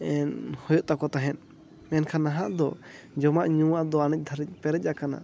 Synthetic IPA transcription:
ɛnhɔjɔʔt̪akɔt̪aɦɛn | mɛnkʰanaɦaʔd̪ɔ | d͡ʒɔmaʔɲuwaʔd̪ɔanic̚ˀd̪ʱaɾc̚pɛɾɛc̚akana̰

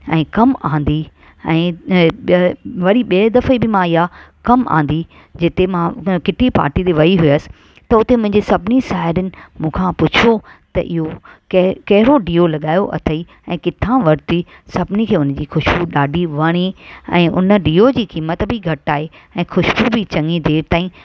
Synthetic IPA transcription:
ɛ̰̃ːkɐmãːn̆d̪i | ɛ̃ː | ʋɐɾiɓid̪ɐfibɪmãɪɦakɐmã̰ːn̆d̪i | d͡ʑɪt̪emãkɪʈʰipa̰ːɾʈit̪eʋɐiɦʊiəsɪ̥̆ | t̪ɐʊt̪emʊ̃ɦɪ̃ɲd͡ʑesɐbʱɪniʃaːɪɾənɪ̆mũːkʰãpʊt͡ɕʰot̪ɐʔɪɦokɐkɐɦɪɾoɖiːolɐɠaːjoʔɐ̰t̪ʰəi | ɛ̃ːkɪt̪ʰãʋɐɾt̪i | sɐbʱɪnikʰeːʊnd͡ʑiːxʊʃbuɗaːɖʱiʋɐɽ̃iɛ̃ːʔʊnə̆ɖiːod͡ʑiːkiːmət̪bʱɪɡʱɐʈaːɦeɛ̃ːxʊʃbubɪt͡ɕɐ̃ŋid̪eːɾt̪aːĩ

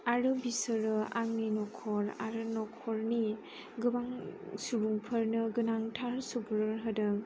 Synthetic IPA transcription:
aɾɯbisɯɾɯa̰ŋminɔkʰɔɾa̰ɾɯnɔkʰɔɾni | ɡɯbaŋsubuŋpʰɯɾnɯɡɯnaŋtʰaɾsubuɾɯɾɦɯdɯ

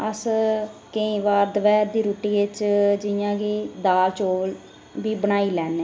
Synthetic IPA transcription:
əskəĩːʋaːɾd̪əʋɛːɾd̪iːɾuːʈiːɪt͡ʃd͡ʒɪjãːɡiːd̪aːlt͡ʃoːl | biːbənaːiːlɛːneː

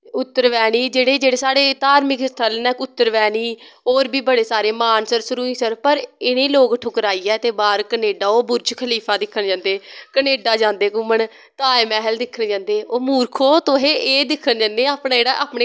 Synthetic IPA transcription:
ʊt̪ːəɾʋɛːɽiːd͡ʒeːɽeːd͡ʒeːɽeːsaːɽeːt̪aːɾmɪkst̪ʰəlnɛːkʊt̪ːəɾʋɛːɽiːoːɾbiːbəɽeːsaːɾeːmaːnsəɾsʊɾuːĩːsəɾpəɾɪnẽːloːɡʈʰʊkəɾaːiːɛːt̪eːbaːɾkəneːɖaːoːbʊɾt͡ʃkʰəliːpʰaːd̪ɪkʰːəɳd͡ʒãːnd̪eːkəneːɖaːd͡ʒãːnd̪eːkʊməɳ | t̪aːeːmɛːɦəld̪ɪkʰːəɳd͡ʒãːnd̪eːoːmuːɾkʰoːt̪oːɦeːʔeːd̪ɪkʰːənd͡ʒãːnd̪eːaːpɳaːd͡ʒeːɽaːʔaːpɳeː

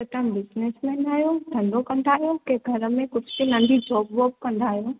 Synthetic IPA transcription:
ɐt̪ə̃mbɪznesmɛːnaːɦjot̪ʰɐ̃nd̪okɐ̃nd̪aːɦijokeɡʱɐɾəmẽkʊd͡ʒʱbinɐ̃nd̪ʱid͡ʒɔːbʋɔːb̚kɐ̃nd̪aːɦijoː

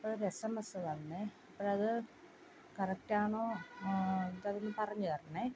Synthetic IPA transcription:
pːɐɾesɐmɐsɐt̪ɐnːeɐpːɐɻɐðɨ | kɐrɐk̚ʈaːɳo̞ː | nd̪ɐðinːɨpɐrɐɲːukɐrɐnːe

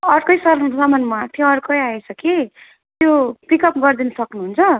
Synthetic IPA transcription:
ʌɾkʌjsʌsʌmʌnmat̪ʰjoʌrkʌjaet͡sʰʌki | t̪jopikʌp̚ɡʌrd̪inʌsʌknuɦunt͡sʰʌ

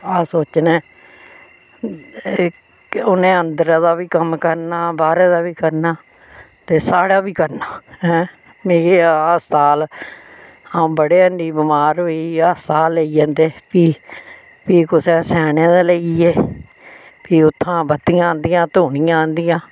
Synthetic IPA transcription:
aːsoːt͡ʃneː | ʊnẽːənd̪əɾaːd̪aːbiːkəmkəɾnaːbaːɾeːd̪aːbiːkəɾnaː | t̪eːsaːɽaːbiːkəɾnaːɦɛ̃ː | meːeːaːst̪aːl | ãbəɽeːənɖiːbɪmaːɾɦoːiːaːst̪aːlːəiːãːnd̪eːpiː | piːkʊsɛːsɛːnẽːd̪eːləieː | piːʊt̪ʰːãːbət̪ːɪãːnd̪ijãːt̪oːɳijãːnd̪ijãː

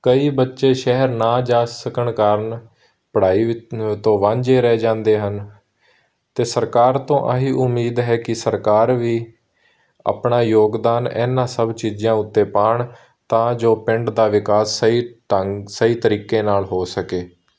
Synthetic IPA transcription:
kəiːbətːʃeːʃɛɦəɾnaːd͡ʒaːsəkəɳkəɾn | pəɽ̤aːiːt̪õːʋãːɲd͡ʒeːɾɛːd͡ʒãːnd̪eːɦən | t̪eːsəɾkaːɾt̪õːʔəɦiːʔʊmːiːd̪ɦɛːkɪsəɾkaːɾʋiː | a̰ːpɳaːjoːɡd̪aːnɛ̰ːnãːsəbt͡ʃiːd͡ʒãːʊt̪ːeːpaːɳ | t̪ãːd͡ʒoːpɪ̃ɳɖd̪aːʋɪkaːsːəiːʈəsəiːt̪əɾiːkeːnaːlɦoːsəkeː

